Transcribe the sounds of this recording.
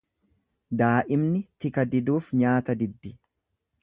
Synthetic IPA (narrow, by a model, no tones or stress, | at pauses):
d̪aːʔɪmnɪt̪ɪkɐd̪ɪd̪uːfɲaːt̪ɐd̪ɪd̪ːɪ